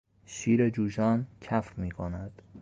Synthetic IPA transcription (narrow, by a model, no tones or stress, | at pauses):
ʃiːɾed͡ʒuːʃɒːncʰæfɾmiːkʰonæd̪̥